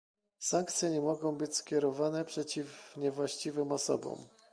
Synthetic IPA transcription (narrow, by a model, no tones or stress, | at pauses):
saŋk̚t̪sʲjɛɲɛmɔɡɔ̃w̃bɘt͡ɕskʲjɛɾɔvanɛpʂɛt͡ɕifɲɛvwaɕt͡ɕivɘmɔsɔ̰bɔ̰m